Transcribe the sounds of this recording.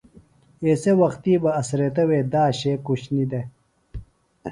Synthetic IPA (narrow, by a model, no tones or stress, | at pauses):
esewɐxt̪ibɐɐsɾet̪ɐwed̪aːɕekuɕnid̪e